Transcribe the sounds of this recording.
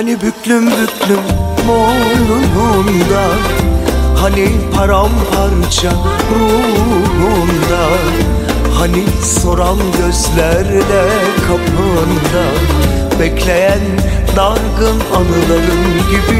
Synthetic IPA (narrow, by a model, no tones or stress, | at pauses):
anibyclʲymbyklʲymmonunund̪a | hanipʰaɾamhaɾt͡ʃʰa | ɾu | lund̪a | hani | so̞ɾamɟøzlʲæɾlɛ | kʰapʰɯ | nd̪a | bɛclʲejæn | d̪aɾɡɯnanɯlˠaɾɯmɟibi